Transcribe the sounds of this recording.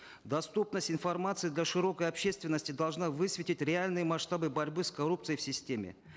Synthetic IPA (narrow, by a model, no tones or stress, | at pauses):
d̪ɐst̪upnəsʲtʲɪnfɐrmat̪sɨd̪lʲaʂɨɾo̞kəjɐpɕːe̞st̪vʲɪnːəsʲtʲɪd̪ɐlˠʐnavɨsvʲɪtʲɪtʲɾʲɪalʲnɨjəmɐʂt̪abɨbɐɾʲbɨskɐɾupt̪sɨjəfsʲɪsʲtʲemʲɪ̰